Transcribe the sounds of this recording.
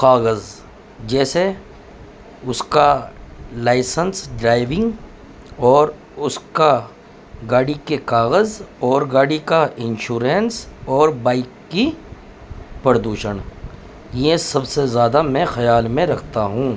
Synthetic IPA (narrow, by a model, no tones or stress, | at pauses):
kaːɣəz | d͡ʒɛːse | ʊska | laːɪsənsɖɾaːɪʋɪ̃ŋɡ | ɔːɾ | ʊska | ɡaːɽikekaːɣəzɔːɾɡaːɽikaɪ̃nʃuːɾẽnsɔːɾbaːɪkːi | pɐɾd̪uːʃən | jẽsɐbsezjaːd̪amɛ̃ːxɐjaːlmẽɾɐkʰt̪aɦũː